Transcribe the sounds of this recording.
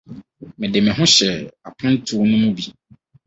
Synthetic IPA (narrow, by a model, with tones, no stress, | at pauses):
mɪ̃˨dɪ˨mɪ̃˨ɦʊ̃˦ɕɛ˨a˨pʰʊ̃˦n̩˦tʰu˦nʊ̃˦mũ˦bi˨